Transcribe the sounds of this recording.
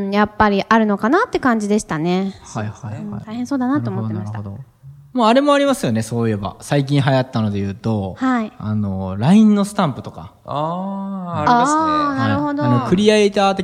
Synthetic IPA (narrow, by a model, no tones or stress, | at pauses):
ɴjapːaɾʲiʔaɾɯ̟no̞kanat̪ːe̞kãɲ̟d͡ʑid̪e̞ɕi̥t̪ane̞hahãt̪aihẽso̞ːd̪anat̪ːoːmo̞t̪emaɕit̪a | maaɾe̞mo̞aɾʲimasɨjo̞ne̞so̞ːje̞ba̰saik̬ʲĩɰ̃ɦajat̪ːano̞d̪e̞jɯ̟ːt̪o̞haia̰no̞̰ɾaĩnːo̞sɨ̥t̪ãmpɯ̟t̪o̞ka̰ | anaɾɯ̟ho̞d̪oanokɯ̟ɾʲieet̪aːt̪e